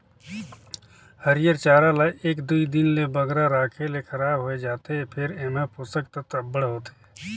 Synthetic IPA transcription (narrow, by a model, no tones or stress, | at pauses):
həɾɪjəɾt͡ʃaːɾalaʔeːkd̪uid̪ɪnlebəɡɾaɾaːkʰelekəɾaːbɦoed͡ʒaːt̪eɦɛpʰɪɾeːmẽpʊsək̚t̪ət̪əbːəɽɦoːt̪ː